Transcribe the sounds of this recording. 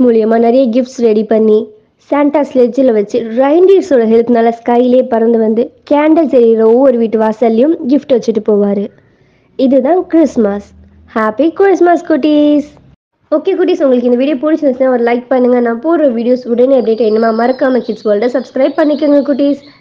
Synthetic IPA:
muːɭɪjɐmaːnɛɾɐjɐɡɪfʈsɾɛɽipɐɳːi | saːɳʈaːslet͡ʃːɪlʋɐt͡ʃːɯɾɐɪɳɖiːɾsoːɽɐɦɛɭp̪naːlɐskɐɪleːpɐɾɐnd̪ɯʋɐnd̪ɯkaːɳɖɐlsɐɾiɾɐɔʋːɔɾɯʋiːʈːɯʋaːsɐlːɪjɯmɡɪfʈɯʋɐt͡ʃːɯʈːɯpoːʋaːɾɯ | ɪðɯt̪ãːkɾɪsmɐs | haːpikɾɪsmɐskʊʈːis | oːkːeːkuʈːiːsʊŋɡɐɭɯkːɪnd̪ɐʋiːɽɪjoːpʊɽɪt͡ʃːɐnɐsnːaːɔɾɯlɐɪk̚pɐɳːɯŋɡɐnãːpoːɾɐʋiːɽɪjoːsʊɽɐneɐbɽeːʈːɐɪnːɐmaːmɐɾɐkːaːmɐkɪʈsboːlʈɐsɐbskɾɐɪb̚pɐɳːɪkːɯŋɡɐkuʈːiːs

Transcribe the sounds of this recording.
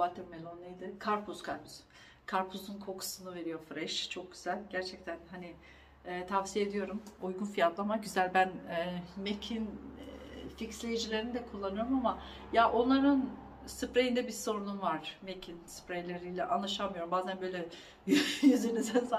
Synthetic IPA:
vat̪ʰɯɾmelʲˠonɯjd̪ɯkʰaɾpʰuskʰaɾpʰuz | kʰaɾpʰuzunkʰo̞kʰu̥sɯnɯve̞ɾijo̞fɾɛʃt͡ʃʰo̞k̚ɟ̥yz̥ælʲɟæɾt͡ʃʰɛc̚t̪ʰænɦani | ɛːt̪ʰavsijed̪ijo̞ɾumujɡunfijat̪lˠaamaɟyzælʲbænɛmecʰin | ficslʲejid͡ʒilʲeɾinid̪ɛkʰulˠːanɯjoɾumama | jaʔo̞nlˠaɾɯn | sɯpɾejind̪ɛbiso̞ɾununvaɾ̥mecʰinsɯ̥pɾejlʲeɾijlʲɛʔanlˠaʃamɯjo̞ɾumbaːzænbø̞jlʲɛ | jjyzenizɛns

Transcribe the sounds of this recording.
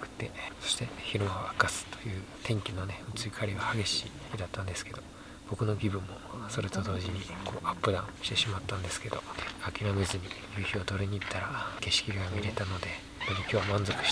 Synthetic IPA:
kɯ̟̥t̪ːe̞so̞̥ɕi̥t̪e̞çiɾɯmaoakasɨ̥t̪o̞̥jɯ̟ːt̪ʰẽ̞ŋkʲino̞neɯ̟t͡sɨikʰaɾʲiβahaɡe̞ɕi | kʲid̪at̪ːãnd̪e̞sɨ̥ke̞d̪o̞ | b̥o̞kɯ̟no̞ɡʲibɯ̟̃mːo̞so̞ɾet̪o̞d̪o̞ːʑiɲ̟ikʰo̞̰ːʔapːɯ̟d̪ãɕi̥t̪e̞ɕimat̪ːãnd̪e̞sɨ̥ke̞d̪oakʲiɾamezɨɲ̟ijɯçʲiot̪o̞ɾɯɲ̟iːt̪ʰːaɾake̞ɕi̥kʲiɡamʲiɾe̞t̪ano̞d̪e̞ | d̪emokʲo̞ːmãnzo̞kɯ̟̥ɕ

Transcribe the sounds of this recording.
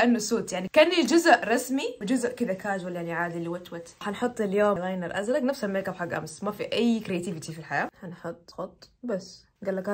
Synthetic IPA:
ʔanːʊsoːt̪jaʕnikanɪld͡ʒʊzʔɾˤɑsmiwɪd͡ʒʊzʔkɪd̪akaːd͡ʒwalːjaliʕaːd̪ilɪwat̪wat̪ħanħʊt̪ˤːɪljoːmɣaːjnaɾˤʔazɾaɡnafsameːkabħaɡːʔa̰msmafiʔajːkɾijat̪ivɪt̪ifilħajaːħanħʊt̪ˤːxʊt̪ˤːbas | ɡalːaka

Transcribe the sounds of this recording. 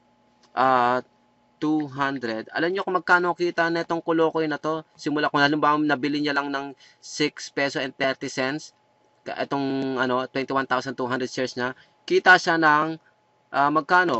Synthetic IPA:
ʔaː | t̪uɦand̪ɾɛd̪̚ɐ̰lɐmɲokomɐɡ̚kaːnokiːt̪ɐnɐʔɛt̪o̞ŋkʊlo̞ːkojnɐt̪o̞sɪmʊlakonɐlɪmbanɐbɪlɪɲalɐŋnɐŋ | sɪkspɛsosɛn̚t̪ɛɾt̪ɪsɛns | kɐʔɛt̪o̞ŋʔɐno̞t̪wɛnt̪ɪwant̪awsɐnt̪uhand̪ɾɛd̪t͡ʃiɹsɲa | kiːt̪ɐʃanɐŋ | ʔaːmɐɡ̚kaːno̞

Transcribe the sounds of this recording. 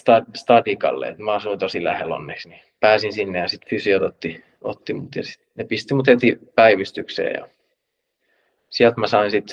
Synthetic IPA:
st̪ɑst̪ɑdikɑ̰lːḛḛt̪mæɑsuint̪osilæ̰hḛlo̰nːeksni | pæːsinsinːejɑsit̪fysiot̪ot̪ːi | o̰t̪ːimut̪jɑsi̥t̪nepist̪imut̪het̪ipæiʋist̪yksḛːjɑ̰ | siælt̪mæsɑinsit̪

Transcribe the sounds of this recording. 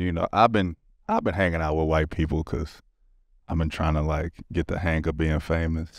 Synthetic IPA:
jɨnoʊʔa̰ɪvbɨ̃n | ʔaɪvbɨ̃nɦæ̃ŋɪ̃ŋaʊt̚wəwaɪt̚pʰipl̩ˠkʰʌ̰z̥ | ãɪ̃mbɨ̃ntʰɹ̥aɪɪ̃ŋtʰəlaɪkɡ̥ɛt̪̚ðɨ̰ɦæ̃ŋɨbiɪ̃ŋfẽɪ̃mɨs

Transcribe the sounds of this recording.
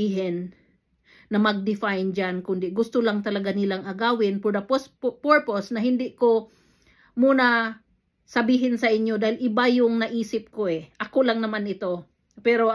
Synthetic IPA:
iːɦɪnː | ɐmɐɡ̚d̪ɪfajnd͡ʒankʊnd̪ɪɡʊst̪olaŋt̪ɐlɐɡanɪlaŋʔɐɡaːwɪnpod̪ɐpospoɹposnɐɦɪnd̪ɪʔko | muːna | sɐbiːɦɪnsɐʔɪɲjo̞d̪aːhɪlʔɪbajʊŋnɐʔiːsɪp̚koʔɛʔɐkolaŋnɐmanɪt̪o̞ | pɛɾo

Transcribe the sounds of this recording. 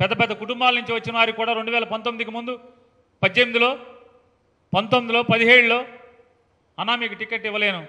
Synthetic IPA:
pɛd̪ːɐpɛd̪ːɐkuʈumbaːlnuɲt͡ʃiʋɐt͡ʃːinɐʋaːɾikuːɽaːɾeɳɖuʋɛːlɐpɐnt̪omːid̪ik̬imund̪u | pɐd̪ːemid̪iloː | pɐnt̪omːid̪ilo̞ːpɐd̪iɦeːɽulo̞ː | ɐnːaːmiːkuʈike̞ʈːiʋːɐle̞ːnu

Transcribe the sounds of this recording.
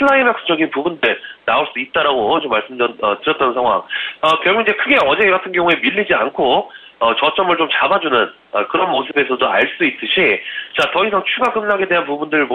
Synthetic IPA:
pʰɯɭːaimak̚s͈ɯ̥d͡ʑʌɡinpubundɯɭnaoɭs͈uit̚t͈aɾaɡot͡ɕomːaɭs͈ɯmdʌʌtɯɾjʌt̚t͈ʌnsʰaŋɦwa̰ŋʌkjʌɭɡuid͡ʑe̞kʰɯɡe̞ʌd͡ʑe̞ɡatʰɯnɡjʌŋue̞miɭːid͡ʑiankʰo | ʌt͡ɕʌt͡ɕ͈ʌmɯɭt͡ɕomt͡ɕabad͡ʑunɯn | ʌkɯɾʌnmosʰɯbe̞sʰʌtoaɭs͈uit͈ɯɕʰit͡ɕatʌisʰaŋt͡ɕʰuɡaɡɯmnaɡe̞de̞ɦanpubundɯɾmo

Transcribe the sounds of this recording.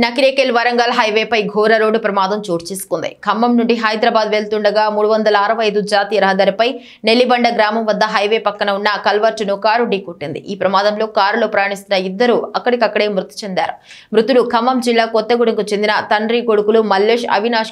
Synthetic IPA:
nɐkiɾeːkeːlʋɐɾɐŋɡaːlɦɐjʋeːpɐjɡʱɔːɾɐɾoːɖupɾɐmaːd̪ɐmt͡ʃoːɽt͡ʃeːsu̥kund̪ḭkʰɐmːɐmnuɳɖiɦɐjd̪ɾɐbaːd̪ʋe̞ːɭt̪uɳɖɐɡaːmuːɽuʋɐnd̪ɐlɐːɾɐʋɐɐjd̪ud͡ʒaːt̪iːjɐɾɐɦɐd̪aːɾipɐj | ne̞lːibɐɳɖɐɡɾaːmɐmʋɐd̪ːɐɦɐjʋeːpɐkːɐnɐunːɐkɐlʋɐɾt͡ʃunukaːɾuɖiːkoʈːind̪ḭʔiːpɾɐmaːd̪ɐmlo̞ːkaːɾuloːpɾɐːɐɳist̪unːɐid̪ːɐɾuɐkːɐɽikɐkːɐɽe̞ːmɾut̪i̥t͡ʃend̪a̰ːɾu | mɾut̪ulukʰɐmːɐmd͡ʒilːaːkɔt̪ːɐɡuɽɐŋkut͡ʃe̞nd̪inɐt̪ɐɳɖɾiːko̞ɽukulumɐlːeːʂɐ̰ʋinaːʂ

